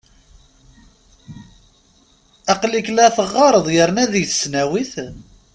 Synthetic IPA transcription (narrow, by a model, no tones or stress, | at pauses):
ɑqliklæθəʁːɑɾˤəðˤjəɾnæðjθsnæwiθ